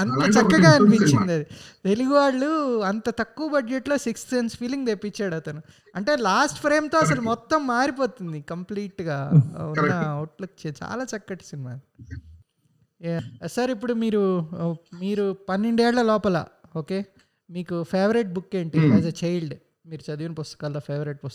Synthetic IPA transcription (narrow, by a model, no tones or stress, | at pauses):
ɐnt̪ɐt͡ʃɐkːɐɡaːɐnipiɲt͡ʃind̪ɐd̪it̪e̞luɡuʋaːɭːuɐnt̪ɐt̪ɐkːuːɐbɐɖd͡ʒeʈlo̞ːsikst̪enspʰiliŋɡd̪epːit͡ʃːaːɽɐt̪ɐnu | ɐɳʈe̞ːlaːsʈpʰɾe̞ːmt̪o̞ːɐsɐlumɔt̪ːɐmːaːɾipo̞ːt̪und̪ikɐmpliːʈːɡaːunːɐoːʈlɐkt͡ʃet͡ʃa̰ːlaːt͡ʃɐkːɐʈi̥sinimaː | sɐɾipːuɽumiːɾu | miːɾupɐnːeɳɖuɛːɭːɐlɔːpɐla̰oːke̞ː | miːkupʰeːʋɐɾeʈ̚bukːe̞ːɳʈiɐd͡ʒɐt͡ʃɐjlɖ | miːɾut͡ʃɐd̪ijunɐpust̪ɐ̥kaːloːpʰeːʋɐɾeʈ̚pus